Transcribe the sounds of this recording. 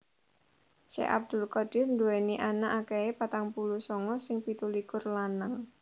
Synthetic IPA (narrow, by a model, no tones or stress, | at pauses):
ʃḛʔa̰b̚d̪̥ʊlkɔd̥ɪrnduweniʔanaʔakeepat̪aŋpulusɔŋɔsɪŋpit̪ulikʊrlanəŋ